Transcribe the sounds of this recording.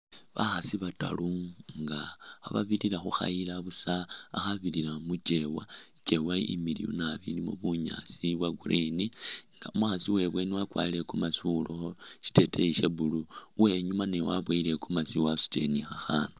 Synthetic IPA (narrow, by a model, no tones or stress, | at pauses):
βaxasiβata̰luŋɡa̰ːβa̰βililaxuxa̰ilaβusaːxaβililamut͡ʃewait͡ʃewaḭmiliṵnaβḭlimuβuɲa̰siβwaɡuɾʔiniŋɡa̰umwaxasiwe̞βweniwakwa̰ːile̞kumasuloxoʃi̥te̞tʰeiʃeβuluwe̞ɲumanewaβwaile̞kumasiwasu̥te̞̰nixaxanu